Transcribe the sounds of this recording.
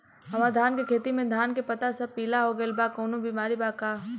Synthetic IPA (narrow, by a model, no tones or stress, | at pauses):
ɦɐmaːd̪ʱaːnkekʰeːt̪imẽd̪ʱaːnkepɐt̪asɐb̚piːlaɦoɡɐelbaːkoːnõbiːmaːɾibaːkaː